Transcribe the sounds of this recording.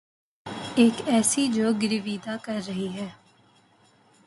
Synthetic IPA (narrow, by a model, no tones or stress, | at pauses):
ɪkɛːsiːd͡ʒoːɡɪɾɪʋiːd̪aːkəɾːəɦiːɦɛː